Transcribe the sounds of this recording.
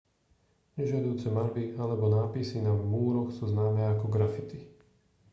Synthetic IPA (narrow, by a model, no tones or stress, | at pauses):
ɲɛʒɪad̪ujuːt͡sɛmaɾbialɛbɔnaːpisinamuːɾɔxsuːznaːmɛːakɔɡɾafit̪i